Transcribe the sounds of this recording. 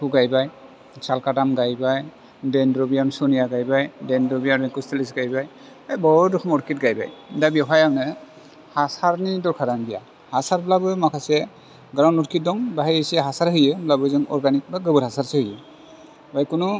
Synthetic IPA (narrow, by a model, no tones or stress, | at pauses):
kʰuɡajbaj | salkatamɡajbaj | dɛndɹɔbijamsɔnijaɡajbajdɛndɾɔbijaɾɛkustʰelisɡajbaj | ajbɔduxʰɔmɔtkit̚ɡajba̰jdabiɔɦʰajawnɛ | hasaɾnidɔɹkʰaɾanbija | hasaɹblabɯjmakʰasɛ | ɡɾaw̃ndɔtkit̚dɔŋbaɦijesiɛɦasaɾɦɯjɛblabɔjzɯŋɔ̰ɹɡanik̚baɡɯbɯthasaɹsehɯjɛ | bajkunu